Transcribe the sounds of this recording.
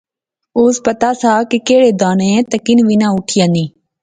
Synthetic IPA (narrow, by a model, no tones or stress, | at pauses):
oːspət̪aːsaːkikeːɽeːd̪aːnẽẽt̪əkɪnʋɪnãːʊʈʰɪjãːniː